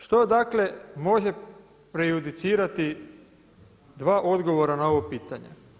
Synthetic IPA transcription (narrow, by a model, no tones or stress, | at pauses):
ʃt̪o̞d̪akle̞mo̞ʒe̞ | pɾejud̪it̪siːɾat̪i | d̪ʋaːʔo̞d̪ɡo̞ʋo̞ɾanao̞ʋopiːt̪aɲḛ